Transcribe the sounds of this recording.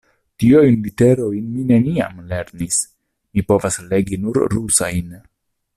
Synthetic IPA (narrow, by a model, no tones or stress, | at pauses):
tiojnlite̞ɾo̞jnmine̞nia̰mle̞ɾnis | mipo̞vasle̞ɡinuɾɾusajn